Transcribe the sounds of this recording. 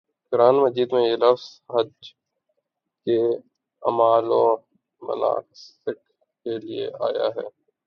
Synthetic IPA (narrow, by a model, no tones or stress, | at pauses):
ɡʊɾaːnmɐd͡ʒiːd̪mẽjelɐfz̥ɦɐd͡ʒ | ke | ɐmaːlɔː | mɐ̰la̰ːsɪk̚ | keliḛaːja̰ɦɛː